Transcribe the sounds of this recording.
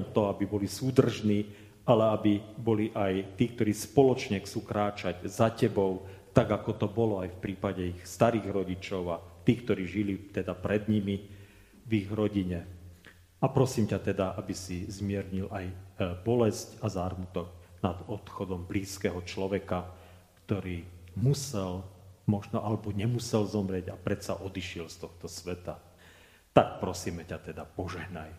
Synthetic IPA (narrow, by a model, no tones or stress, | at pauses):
ɛmt̪ɔabibɔlisuːd̪r̩ʒniː | alɛabibɔliʔajt̪iːk̚t̪ɔɾiːspɔlɔt͡ʃɲɛxt͡suːkɾaːt͡ʃaɟzacɛbɔʊ | t̪aɡakɔt̪ɔbɔlɔajfpɾiːpaɟɛixst̪aɾiːɣɾɔɟit͡ʃɔʊat̪iːkt̪ɔɾiːʒilit̪ɛd̪apɾɛd̪ɲimi | viɣɾɔɟiɲɛ | apɾɔsiːmcat̪ɛd̪aʔabisizmɪɛɾɲilajbɔlɛscazaːɾmut̪ɔknad̪ɔt̪xɔd̪ɔmbliːskɛɦɔt͡ʃlɔʋɛka | kt̪ɔɾiːmusɛlmɔʒnɔʔalɛbɔɲɛmusɛlzɔmɾɪɛɟapɾɛt̪saʔɔd̪iʃɪɛlst̪ɔxt̪ɔsʋɛt̪a | t̪ak̚pɾɔsiːmɛcat̪ɛd̪apɔʒɛɦnaj